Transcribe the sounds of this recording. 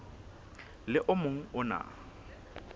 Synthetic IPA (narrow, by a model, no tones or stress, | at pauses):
lɪʔʊmoŋ̩ʊna̰